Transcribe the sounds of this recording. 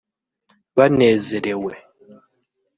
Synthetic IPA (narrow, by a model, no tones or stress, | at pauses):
banɛzɛɾɛwɛ